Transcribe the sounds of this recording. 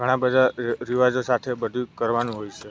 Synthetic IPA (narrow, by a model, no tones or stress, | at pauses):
ɡʱəɽ̃ãbəd̪ʱaɾiʋad͡ʒosat̪ʰebəd̪ʱukəɾʋanũɦojt͡ʃʰe